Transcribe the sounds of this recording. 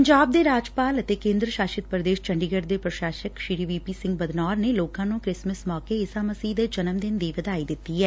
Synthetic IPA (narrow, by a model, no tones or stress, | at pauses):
pəɲd͡ʒaːb̚d̪eːɾaːd͡ʒpaːlət̪eːkẽːnd̪ɾəʃaːʃɪt̪̚pɾəd̪eːʃt͡ʃə̃ɳɖiɡəɖd̪eːpɾəʃaːʃəkʃiɾiːʋiːpiːsɪ̃ŋɡbəd̪nɔːɾneloːkãːnũːkɾɪsməsmɔːkeɪsaːməsiːd̪ed͡ʒənəmd̪ɪnd̪iːʋəd̪aːid̪ɪt̪ːiɦɛː